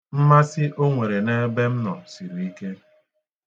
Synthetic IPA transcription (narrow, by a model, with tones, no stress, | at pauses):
m̩˦ma˦sɪ˦ʔo˦ŋʷe˨ɾe˨ne˦be˦m̩˦nɔ˨si˨ɾu˨i˦ke˦